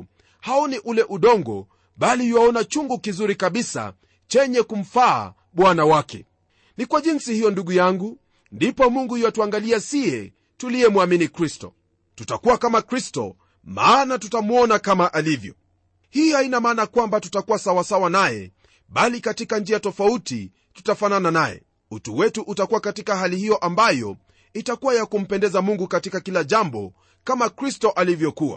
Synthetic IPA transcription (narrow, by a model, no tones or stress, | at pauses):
haɔniʔulɛʔuɗɔŋɡɔ̰ | ɓaliwaɔnat͡ʃuŋɡukizuɾikaɓisa̰ | t͡ʃɛɲɛkum̩fa̰ː | ɓwanawakɛ̰ | nikwaʄinsihijɔnduɠujaŋɡu | ndipɔmuŋɡuijwatuaŋɡaliasiɛ | tuliɛmwaminikɾistɔ̰ | tutakuwakamakɾistɔ̰ | maːnatutamuɔnakamaʔalivjɔ | hihainamaːnakwambatutakuwasawasawanajɛ̰ | ɓalikatikand͡ʒiatɔfautḭ | tu̥tafanananajɛ̰ | utuwɛtuʔutakuwakatikaɦalihijɔʔambajɔ̰ | itakuwajakum̩pɛndɛzamuŋɡukatikakilaʄambɔ̰ | kamakɾistɔʔalivjɔkuwa̰